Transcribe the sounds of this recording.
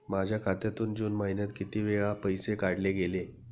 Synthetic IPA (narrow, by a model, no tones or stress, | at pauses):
mad͡ʑʱjakʰat̪jat̪uːnd͡ʑuːnmainjat̪̚kit̪iːʋeɭãpəjsekaɽleɡele